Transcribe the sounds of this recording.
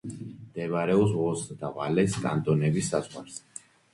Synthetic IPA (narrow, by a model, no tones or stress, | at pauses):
d̪̥ɛvɾɛɔs̬vɔsd̪ava̰lɛskʼa̰nt̪ʼɔnɛbisːazʁwa̰ɾs